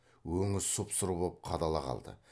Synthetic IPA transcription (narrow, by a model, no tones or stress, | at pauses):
wɵŋɪzsʊpsʊɾubolˠp̚qʰɑd̪ɑlˠɑqʰɑ̰lˠd̪ə̰